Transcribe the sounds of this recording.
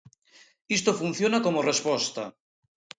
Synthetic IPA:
ist̪ofun̟θjonakomorespost̪a

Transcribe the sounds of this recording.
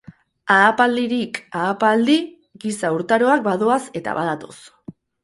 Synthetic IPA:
aːpald̪iɾikaːpald̪i | ɡisauɾt̪aɾo̞ak̚bað̞o̞ase̞t̪a̰βað̞at̪o̞̰s

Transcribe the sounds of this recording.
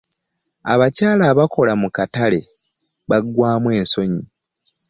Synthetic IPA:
a̰βacaːlaːβako̞lamukatale̞ | βaɡwaːmwe̞ːnso̞ɲi

